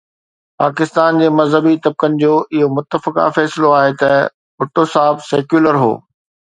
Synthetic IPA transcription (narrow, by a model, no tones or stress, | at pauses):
paːkɪst̪aːnd͡ʑeːmɐzɦəbit̪ɐb̚kənɪ̆d͡ʑoːʔɪɦomʊt̪ːəfɪka̰fɛːsɪloaːɦet̪ɐ | bʊʈosaːɦɪbsɛːkjuːləɾɦo̰ː